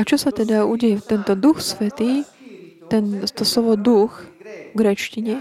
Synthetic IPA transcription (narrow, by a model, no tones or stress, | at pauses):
at͡ʃɔsat̪ɛd̪auɟɛjɛt̪ɛnt̪ɔd̪uxsʋɛt̪iː | t̪ɛnt̪ɔslɔʋɔd̪uxvɡɾɛt͡ʃciɲɛ